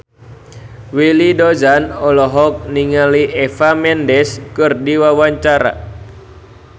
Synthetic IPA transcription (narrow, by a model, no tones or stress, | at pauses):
wilidozanɔlɔɦɔk̚niŋaliʔefamɛndɛskɨrdiwawaɲt͡ʃaɾa̰